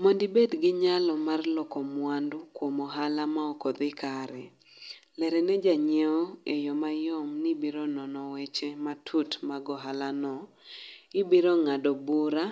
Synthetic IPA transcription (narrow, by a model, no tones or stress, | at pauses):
mondibedɡɪɲalɔmarlɔkɔmwandʊkwomɔɦalamaɔkɔd̪ɪkaɾɛ | lɛɾɛnɛd͡ʒaɲeɔejɔmajɔmnɪbiɾonɔnɔwɛt͡ʃematʰutmaɡɔɦalanɔ | ɪbiɾoŋadɔbuɾa